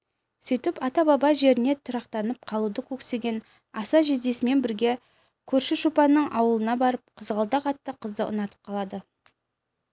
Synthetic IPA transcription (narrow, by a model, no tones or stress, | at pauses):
sʏjt̪ɪpɑt̪ɑbɑbɑʒe̞ɾɪne̞t̪ʰʊɾɑqt̪ɑnəp̚qʰɑlˠud̪əkʲʰɵkse̞ɡʲe̞n | ɑsɑʒezd̪e̞sɪme̞nbɪɾɡʲe̞ | kʲʰɵɾʃɪʃupɑnːəɴʔɑwəlˠənɑbɑɾəp̚qʰəzəʁɑlˠd̪ɑqɑt̪ːəqʰəzd̪ə̰ʔʊ̰nɑt̪ə̥p̚qʰɑlˠɑd̪ə